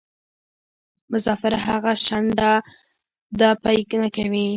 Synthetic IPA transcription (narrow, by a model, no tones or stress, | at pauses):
mʊsɑfɪɾaɦaɣaʃaɳɖa | d̪ɑpajknakawi